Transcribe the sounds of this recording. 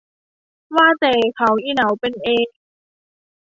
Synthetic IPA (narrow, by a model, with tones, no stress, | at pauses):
waː˧˥˨t̪ɛː˨˩kʰa˨˦wʔiː˧˨na˨˦wpe˧˨nʔeː˧˦k̚